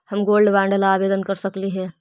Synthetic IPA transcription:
hɐmɡoːlɖʋãːɳɖəlaːʋeːd̪ənkɐɾsɐkliɦɛː

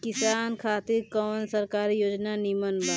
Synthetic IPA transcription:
kɪsaːnkʰaːt̪iɾkɔːnsəɾkaːɾijoːd͡ʒnanimənbə

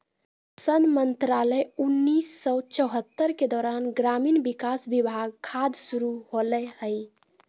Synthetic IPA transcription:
sənmənt̪ɾaləjunːisːɔt͡ʃəɦət̪ːəɾked̪ɔːɾanɡɾamiːnbikasbibʱaɡ̚kʰad̪suɾuɦolɛhəj

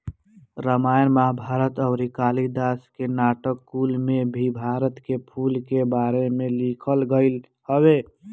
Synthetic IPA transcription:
ɾəmajənmaɦbʱaɾət̪əʊɾikalid̪askenaʈəkːulmebʱibʱaɾət̪kepʰulkebaɾemelikʰəlɡəɪl | həwe

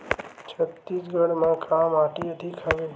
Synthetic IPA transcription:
t͡ʃʰət̪ːisɡʱəɽmãkʰamaʈiəd̪ʱikʰəʋe

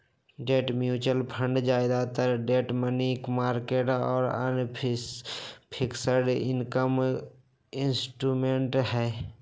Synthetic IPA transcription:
ɖeːʈmjuːt͡ʃəlpʰə̃ɳɖd͡ʒaːɪd̪at̪əɾɖeːʈmənikmaːɾkeːʈɔ̰ːɾə̰n | pʰɪksəɾɖɪnkəm | ɪnsʈɾuːmẽːɳʈɦɛː

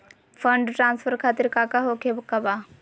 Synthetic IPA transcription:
fʰəɳɖʈɾaːnsfəɾkʰaːt̪iɾkaːkaɦokʰebkɐba

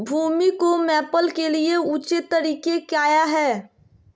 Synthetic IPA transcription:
bʱuːmikomɛːpəlkelieuːt͡ʃet̪ːəɾiːkekjaːjaɦɛː

